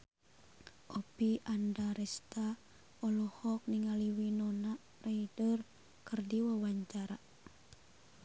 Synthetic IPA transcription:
ʔɔpiʔandaɾɛst̪a | ɔlɔhɔk̚niŋaliwinɔnaʔ | raidər | kɨrdiwawaɲt͡ʃaɾa

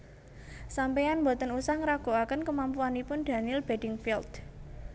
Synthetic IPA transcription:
sampejanmbo̤t̪ənusahŋɾaɡ̥o̤akənkəmampuanipʊnd̪̥ä̤nilb̥e̤dɪŋfild̪̥

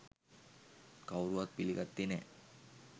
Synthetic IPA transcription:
kawɾuʋat̪̚pilikɐt̪ːine

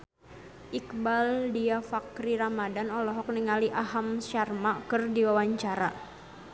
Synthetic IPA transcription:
ʔikbaldiafakɾiɾamadanɔlɔɦɔk̚niŋaliʔaɦamʃarmaʔkɨrdiwawaɲt͡ʃaɾa̰

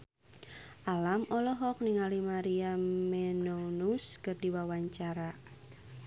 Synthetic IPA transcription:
ʔalamɔlɔɦɔk̚niŋalimaɾiamɛnonuskɨrdiwawaɲt͡ʃaɾa

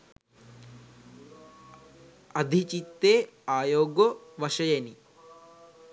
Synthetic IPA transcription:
ɐd̪ʱit͡ʃit̪ːeːaːjoːɡoʋɐʂɐjɐni

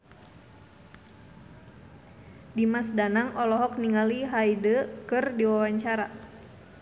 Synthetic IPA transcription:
dimasdanaŋɔlɔɦɔk̚niŋaliɦaidəkɨrdiwawaɲt͡ʃaɾa

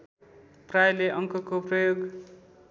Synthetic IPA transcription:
prajleʔʌŋkʌkoprʌjoɡ

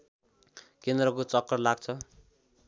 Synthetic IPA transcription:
kend̪rʌkot͡sʌkːʌrlaɡ̚t͡sʰʌ

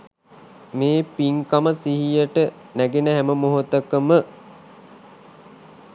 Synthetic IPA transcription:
meːpiŋkaməsiɦijəʈə | næɡenəɦæməmoɦut̪əkəmə

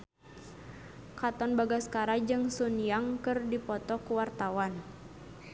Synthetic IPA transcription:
kat̪ɔnbaɡaskaɾad͡ʒɨŋsuniaŋkɨrdipɔt̪ɔkuwart̪awan

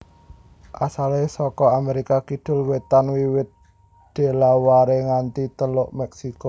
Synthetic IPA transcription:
ʔasalesɔkɔameɾikakid̪̥ʊ̤lwet̪anwiwɪt̪̚ | d̪̥e̤lawaɾeŋant̪it̪əlʊʔmɛksiko

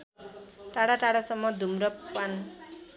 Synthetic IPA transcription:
ʈaɽaʈaɽasʌmːʌd̪ʱumɾʌpan

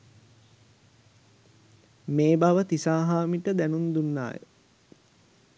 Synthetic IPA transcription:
meːbaʋət̪isaːɦaːmiʈəd̪ænund̪unːa̰ːjə̰

